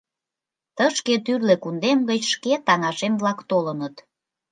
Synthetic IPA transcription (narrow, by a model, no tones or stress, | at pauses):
t̪əʃket̪yrlekund̪emɡət͡ɕʃket̪ɑŋɑʃemβlɑkt̪olənət̪